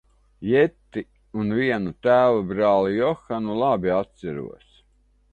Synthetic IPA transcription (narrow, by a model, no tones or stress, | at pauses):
jɛt̪ːi | unvʲiɛnut̪æːvɔbɾaːlˠijɔxanulˠabʲiat̪sæɾṵɔs